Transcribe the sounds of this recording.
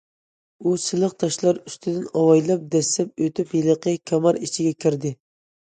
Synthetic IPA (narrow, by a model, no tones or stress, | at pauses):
usɨlˠəqt̪ʰɑʃlˠɑɾyst̪ʰɪd̪ɪnɑwɑjlˠɑp̚d̪ɛsɛp̚øt̪ɪpjelˠəqʰəkʲʰɑmɑɾit͡ʃʰɪɡʲɛkʲʰiɾd̪ɪ